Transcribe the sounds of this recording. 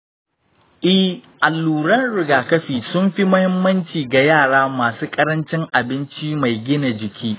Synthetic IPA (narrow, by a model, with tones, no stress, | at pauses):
ʔɪ˦ʔa˨lːuː˨ɽɐ˦nɽɪ˨ɡaː˨kɐ˦ɸiː˨sʊ˦mɸi˦mʊ˦hɪ˦mːɐ˦nt͡ʃiː˨ɡa˨jaː˦˨ɽaː˦maː˨suː˦kʼɐ˦ɾɐ˦nt͡ʃɪ˦ŋʔa˨bɪ˦nt͡ʃi˦ma˨jɡʲɪ˦na˨d͡ʒɪ˨kʲʰiː˦